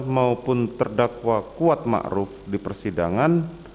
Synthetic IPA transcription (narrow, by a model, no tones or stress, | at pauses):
maupʊnt̪ərdakwakuat̪̚ma̰ʔɾʊfdipərsidaŋan